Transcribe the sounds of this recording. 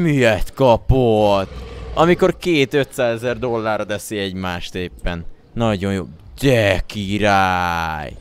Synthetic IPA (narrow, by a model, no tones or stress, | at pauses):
miɛt̪kɒpot̪ːɒmiko̞rkeːt̪ø̞t̪saːzɛzɛrd̪o̞lːaːrːɒd̪ɛsiɛɟmaːʃt̪eːpːɛn | nɒɟo̞jjo̰ː | d͡ʒɛkiɾaj